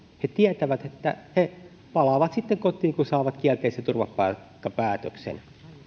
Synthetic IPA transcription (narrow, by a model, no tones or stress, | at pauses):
het̪iæt̪æʋæt̪et̪ːæ̰he | pɑlɑʋɑt̪sit̪ːeŋkot̪ˑiːŋkunsɑˑːʋɑt̪kiælt̪eˑːsˑet̪urʋɑppɑˑkːɑpæːt̪ø̰ksḛn